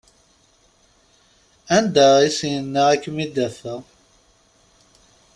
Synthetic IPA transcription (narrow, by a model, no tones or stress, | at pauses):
ænd̪æisjənːəækːmid̪æθə